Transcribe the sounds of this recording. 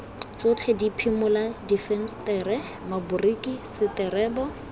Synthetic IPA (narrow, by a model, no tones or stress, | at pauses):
t͡sʊt͡ɬʰɛdipʰimʊladifɛnstɛrɛ | mabʊrikʼisɪtɛrɛːbɔ